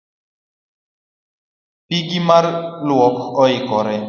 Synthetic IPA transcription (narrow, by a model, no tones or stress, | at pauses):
piɡimarlwɔkɔɪkɔɾɛ